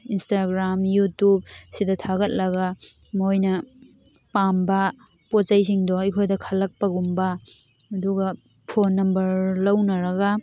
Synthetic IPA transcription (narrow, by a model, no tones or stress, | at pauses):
instaɡɾamjutub̚sidɐtʰaɡɐt̚lɐɡɐ | mojnɐ | pambɐ | pot͡ʃajsiŋdɔikʰojdɐkʰɐlɐk̚pɐɡumbɐː | duɡɐ | pʰonːɐmbɐɾlɐwnɐɾɐɡɐ